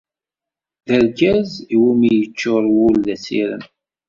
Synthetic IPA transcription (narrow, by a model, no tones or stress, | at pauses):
ðəɾɡæziwumijət͡ʃːʊɾˤwulːæsḭɾə̰m